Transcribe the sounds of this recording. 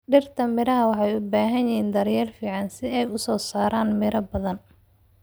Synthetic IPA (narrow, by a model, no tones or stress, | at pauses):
ɖɪrt̪ʰɐmɪɾɐɦɐwɑħɑjʊbaːɦɐjjɪɦiːnd̪ɐɾjɛːlfiːʕɑnsɪɛjʊsɔːsaːɾaːnmɪɾɐbɐðɐn